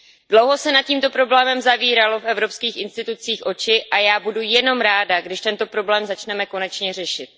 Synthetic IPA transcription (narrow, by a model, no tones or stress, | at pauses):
d̥lowɦo̞sɛnat̪̚ciːmt̪o̞pɾo̞blɛːmɛmzaviːɾalo̞fʔɛvɾo̞pskiːxʔɪnst̪ɪt̪ut͡siːxʔo̞t͡ʃɪʔajaːbudujɛno̞mɾaːdaɡdɪʃt̪ɛnt̪o̞pɾo̞blɛːmzat͡ʃnɛmɛko̞nɛt͡ʃɲɛr̝ɛʃɪt̪